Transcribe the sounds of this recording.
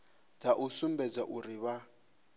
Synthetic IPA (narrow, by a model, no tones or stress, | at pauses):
tʰaʔusumbɛd͡zaʔuɾiβa